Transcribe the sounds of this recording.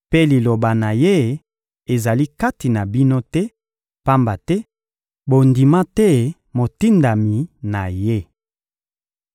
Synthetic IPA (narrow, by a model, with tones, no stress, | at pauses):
pe˦li˨lo˨ba˨na˨je˦ | e˨za˨li˦ka˦ti˨na˨bi˦no˦tɛ˦ | pa˦mba˨tɛ˦ | bo˨ndi˨ma˦tɛ˦ | mo˨ti˦nda˨mi˨na˨je˦